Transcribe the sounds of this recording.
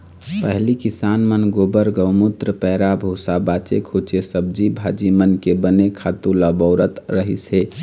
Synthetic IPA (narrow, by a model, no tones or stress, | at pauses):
pəɦlikisanmənɡobəɾɡəwmut̪ɾəpɛɾabʱoːsabat͡ʃekʰot͡ʃesəb̚d͡ʒibʱad͡ʒimənkebənekʰat̪ulabəʊɾət̪ɾəɦḭse